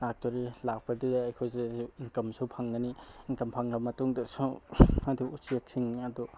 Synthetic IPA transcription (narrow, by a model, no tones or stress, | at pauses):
ak̚toɾilak̚padudaːjkʰojzeiŋkɐmsupʰaŋɡɐniiŋkɐmpʰaŋɾɐbɐmɐtuŋdɐsuaduusiak̚siŋiɐdu